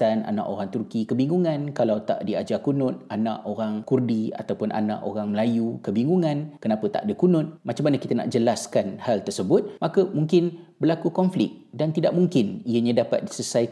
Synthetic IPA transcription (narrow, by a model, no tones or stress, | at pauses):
t̪ana̰na̰ʔoɾaŋt̪urkikəbiŋɡuŋãnkalawt̪a̰ʔdiad͡ʒakunʊt̪̚anã̰ʔoɾaŋkurdia̰t̪awpʊnʔa̰nã̰ʔoɾaŋməlajukəbiŋɡuŋãnkənãpət̪a̰ʔdəkunʊt̪̚mat͡ʃamːanəkit̪ənã̰ʔd͡ʒəlaskanhalt̪ərsəbʊt̪̚makəmuŋkɪnbərlakukɔnflɪk̚dant̪idaʔ̚muŋkɪniəɲãdapa̰t̪̚disəsaj